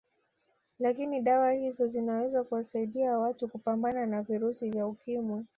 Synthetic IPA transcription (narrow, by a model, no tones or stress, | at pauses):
lakiniɗawahizɔzinawɛzakuwasaiɗiawatukupambananaviɾusivjaukimwi